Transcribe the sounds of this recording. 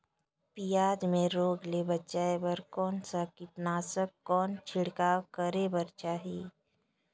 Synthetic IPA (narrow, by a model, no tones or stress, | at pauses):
pijaːd͡ʒmẽɾoːɡlebɐtːt͡ʃaːebəɾkɔːnsakɪt̪naːsəkːɔːnt͡ʃʰɪɽkaːkəɾebəɾt͡ʃaːɦiː